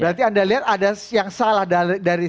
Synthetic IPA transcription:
bɾant̪iandaliɦat̪adajaŋsalahdadaɾi

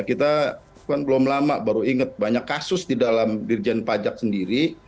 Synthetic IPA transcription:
kit̪a | kanbəlʊmlamaʔbaɾuiŋət̪̚baɲakːasʊsdidalamdird͡ʒɛnpad͡ʒak̚səndiɾi

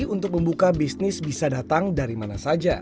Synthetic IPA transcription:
unt̪ʊk̚məmbukabisnɪsbisadat̪aŋdaɾimanasad͡ʒa

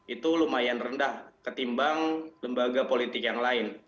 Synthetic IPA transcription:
it̪ulumajanrəndahkət̪imbaŋŋləmbaɡapolit̪ɪkjaŋlaɪn

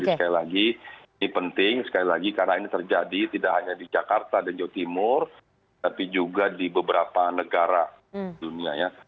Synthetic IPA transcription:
isə̥kalilaɡinipənt̪ɪŋsə̥kalilaɡikarnainit̪ərd͡ʒadit̪idaʔɦaɲadid͡ʒakart̪adand͡ʒawat̪imʊr | t̪apid͡ʒuɡadibəbəɾapanəɡaɾa | iduniaja

